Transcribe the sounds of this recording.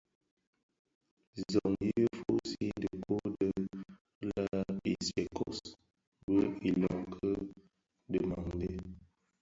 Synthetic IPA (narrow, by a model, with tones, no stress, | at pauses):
zɔ˨ŋji˦ə˦fo˦si˦də˨kʰo˦də˦ | la˦i˨se˨kʰɔ˦s | bə˦i˨lɔ˨ŋkʰə˦ | də˨ma˨ŋde˦